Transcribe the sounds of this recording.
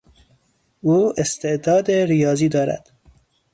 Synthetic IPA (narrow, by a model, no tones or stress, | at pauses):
uːest̪e̞ʔd̪ɒːd̪eɾijɒːziːd̪ɒːɾæ̰d̪̥